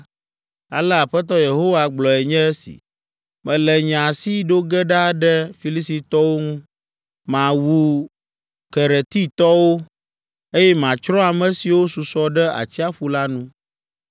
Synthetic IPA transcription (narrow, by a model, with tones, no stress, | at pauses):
a̰˨lɛ˦a˨ɸɛ˦t̪̬ɔ˦je˨ɦo˦wa˦ɡ͡blɔ˨ɛ˨ɲɛ̃˦ɛ˦sḭ˨ | mɛ̃˨lɛ˨ɲã˨si˦ɖo˦ɡɛ˦ɖa˦ɖɛ˦fi˨˦li˦si˨t̪ɔ˦wo˦ŋũ˦ | mã˨wu˨ | kɛ˨ɾɛ˨t̪i˦t̪ɔ˦wo˦ | e˦jɛ˦mã˨t͡ʃɾɔ̃˦a˨mɛ̃˨si˨wo˦su˨sɔ˦ɖɛ˦a̰˨t͡ɕi˦a˦ɸu˦la˦nũ˦